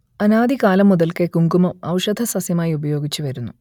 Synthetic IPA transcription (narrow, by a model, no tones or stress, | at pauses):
ɐnaːd̪ikaːlɐmːuðɐlkekuŋɡumɐmɐ̰wʂɐd̪ʱɐsɐsjɐmaːjiubɐjo̞ːɡit͡ɕːuʋɐɾunːu